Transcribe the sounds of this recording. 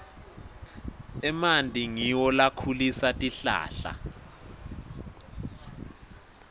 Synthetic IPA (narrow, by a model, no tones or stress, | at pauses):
ɛmantʼiŋiwɔlakʰulisatʼiɬa̰ːɬa̰